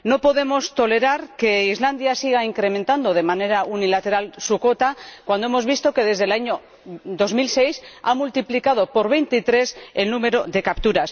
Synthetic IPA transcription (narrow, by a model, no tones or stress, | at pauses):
no̞po̞ðe̞mo̞st̪o̞le̞ɾaɾke̞izland̪jasiɣaiŋkɾe̞mẽnt̪and̪o̞ð̞e̞mane̞ɾaunilat̪e̞ɾalsuko̞t̪akwand̪oemo̞zβist̪o̞ke̞ðe̞zðelaɲo̞ | d̪o̞zmilse̞jsamult̪iplikað̞o̞po̞ɾβ̞e̞jnt̪it̪ɾe̞selnume̞ɾo̞ðe̞kapt̪uɾas